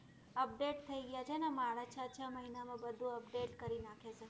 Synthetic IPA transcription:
əp̚ɖeʈ̚t̪ʰəiɡəjat͡ʃʰenemaɭat͡ʃʰat͡ʃʰəməɦinamãbəd̪ʱũəp̚ɖeʈkəɾinakʰet͡ʃʰe

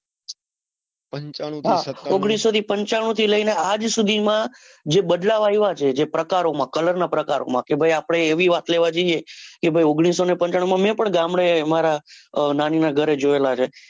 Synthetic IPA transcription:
ɦaoɡɽ̃isːot̪ʰipəɲt͡ʃaɽ̃ũt̪ʰiləinead͡ʒsud̪ʱimã | d͡ʒeɓəd̪laʋaiʋat͡ʃʰed͡ʒepɾəkaɾomãkələɾnapɾəkaɾo̰mãkebʱajapɽ̃eːʋiʋat̪leʋad͡ʒeiekebʱajoɡɽ̃isonepə̃ɲt͡ʃaɽ̃ũmãmɛ̃pəɳɡamɽemaɾananinaɡʱəɾed͡ʒoelat͡ʃʰe

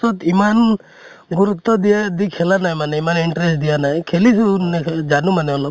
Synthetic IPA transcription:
ɔt̪iman | ɡuɾut̪ːɔd̪iad̪ikʰelanajmanɛimaniɳʈɾesʈd̪ijanaɦjkʰelisuned͡ʒanumanɛɔnɔ

